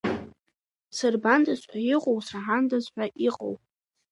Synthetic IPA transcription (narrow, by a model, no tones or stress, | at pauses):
sɨrbandazħʷajiqʼowsaʕandazħʷᶣaʔiqʼo̰wpʼ